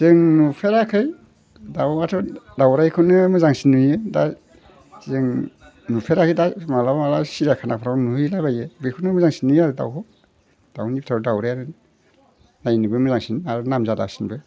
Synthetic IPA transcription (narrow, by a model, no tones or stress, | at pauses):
z̥ɯŋnupʰeɾakʰɯj | dawmatʰɔdawɾajkʰɯnɯmɯzaŋsinːujɯda | zɯŋ | nupʰeɾakʰɯjdamalaamalasiɾakʰanapʰaɾanujlajbajebɯkʰunɯmɯzaŋsinujaɾɯda̰wkʰɔ | d̥awnipʰtʰaɾdawɾajaɾɯ | najnɯbɯmɯzaŋsinaɾunamzada̰wsinbɯ